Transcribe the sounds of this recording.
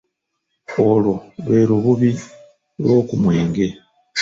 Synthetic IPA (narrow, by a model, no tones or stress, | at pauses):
ololweːɾuβuβi | lo̞ːkumweːŋɡe̞